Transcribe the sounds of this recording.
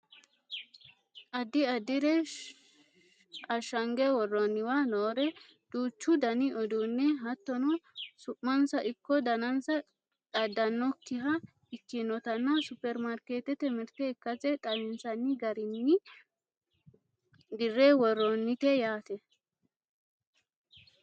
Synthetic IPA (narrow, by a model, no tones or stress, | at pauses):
ʔɐd̪ɪɐd̪ɪɾɛ | ɐʃɐŋɡɛwɔrːɔnːɪwanoːɾɛ | d̪̥uːt͡ʃːʊd̪ɐnɪʔɔd̪unːɛɦɐt̪ːɔnɔsʊʔmɐnsɐʔɪkːɔd̪ɐnɐnsɐ | ᶑɐd̪ːɐnːɔkːɪɦɐ | ɪt͡ʃːinɔt̪ɐnːɐsʊpːɛɾmaɾkeːt̪ɛt̪ɛmɪɾt̪ɛɪkːɐt͡sɛtʼɐjɪnsɐnːɪɡɐɾɪnːɪ | d̪ɪrːɛwɔrːɔnːɪt̪ɛjaːt̪ɛ